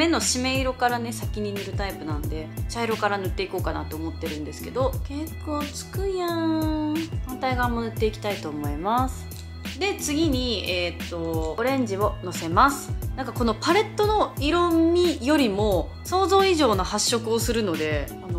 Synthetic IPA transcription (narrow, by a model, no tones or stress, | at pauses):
me̞nːo̞ɕime̞iɾo̞kaɾane̞sakʲiɲ̟inɯ̟ɾɯ̟t̪aipɯ̟nãnd̪e̞t͡ɕaiɾo̞kaɾanɯ̟t̪ːe̞iko̞ːkana̰t̪o̞ːmo̞t̪ːe̞ɾɯ̟̃nd̪e̞sɨ̥ke̞d̪o̞ke̞kːo̞ːt͡sɨ̥kɯ̟jã | hãnt̪aiɡamːo̞nɯ̟t̪ːe̞ikʲi̥t̪ait̪o̞ːmo̞imasɨ̥ | d̪e̞t͡sɨɡʲiɲ̟iet̪ːo̞oɾẽ̞ɲ̟d͡ʑio̞no̞se̞masɨ̥nãŋkako̞no̞paɾe̞t̪ːo̞no̞iɾo̞mmʲijo̞ɾʲimo̞ | so̞ːzo̞ːiʑo̞ːnohaɕːo̞kɯ̟o̞sɨɾɯ̟no̞d̪e̞ano